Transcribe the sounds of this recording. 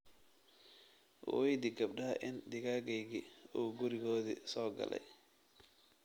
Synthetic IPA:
wɛjd̪ɪɡɐbɖɐʔɪnd̪ɪɣaːɡɛjɣiuːɡʊɾɪɣɔːðḭsɔːɡɐ̰lɛ̰j

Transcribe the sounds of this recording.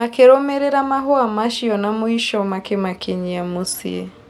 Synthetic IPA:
akɛɾɔmɛɾɛɾamaɦɔamaʃiɔnamuiʃɔmakemakʰeɲiamusḭɛ

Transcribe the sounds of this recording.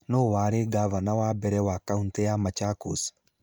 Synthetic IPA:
nowaɾeɡavanawabɛɾɛwakauntɛjamat͡ʃakos

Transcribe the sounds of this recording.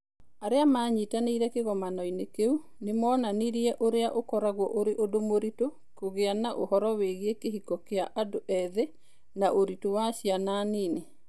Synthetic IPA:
aɾeamaɲitaneiɾɛkeɣɔmanɔinekeu | nemɔːnaniɾiɛʔoɾeaʔokɔɾaɣwɔʔoɾeʔodomoɾito | koɣeanaʔohɔɾɔweɣeekeɦikɔkeaʔadoʔɛðe | naʔoɾitowaɕiananiːne

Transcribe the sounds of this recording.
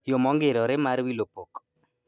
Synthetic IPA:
jomɔŋɡeɾɔɾɪmaɾwilopok

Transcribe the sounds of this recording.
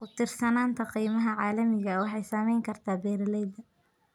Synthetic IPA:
kʰʊt̪ʰɪrsɐnaːnt̪ʰɐqijmɐɦɐʕɑːlɐmɪɣɐwɑħɑjsɐmɛjŋkʰɐrt̪ʰaːbɛːɾlɛjd̪ɐ

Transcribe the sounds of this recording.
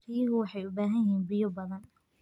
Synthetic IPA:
ɾɪjɐɣʊwɑħɑjʊbaːɦɐjɪɦiːnbɪjɔbɐðɐn

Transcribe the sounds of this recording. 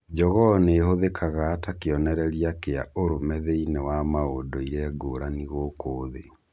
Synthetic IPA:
d͡ʑɔɣɔneːhoðekaɣaːtakeɔnɛɾɛɾijakea̰oɾomɛðeinewamaodɔiɾɛːɡoːɾaniɣokoːðe

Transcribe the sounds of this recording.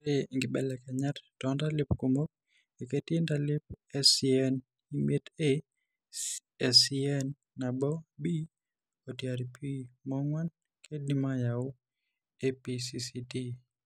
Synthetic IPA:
ɾeŋɡɪbɛlɛkɛɲattɔndalɪpkomok̚ | eketendalɪpɛsiɛn | imjete | ɛsiɛnː | abɔbi | otjaɾipʰimɔŋwan | kʰednimajaʊ | episisiti

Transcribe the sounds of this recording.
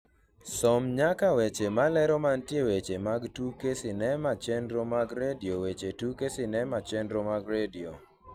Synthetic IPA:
sɔmɲakawet͡ʃemalɛɾɔmantjewet͡ʃemaɡtukesɪnɛmat͡ʃɛndɾomaɡɾediowet͡ʃetukesɪnɛmat͡ʃɛndɾomaɡɾedio

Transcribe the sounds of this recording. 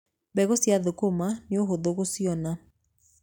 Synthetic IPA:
bɛɣɔsjaðokomaneoɦoðoɣosiɔna

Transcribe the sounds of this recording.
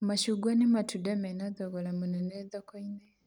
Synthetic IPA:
maʃuɡwanimatudamenaðoɣolamuneneðokoine

